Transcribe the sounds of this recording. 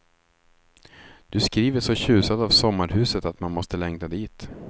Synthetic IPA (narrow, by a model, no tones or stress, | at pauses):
d̪̥ɵskɾiːvəʂɔɕʉ̟ːsad̪avsɔmːaɾhʉ̟ːsət̪at̪manmɔst̪əlɛŋd̪ad̪iːt̪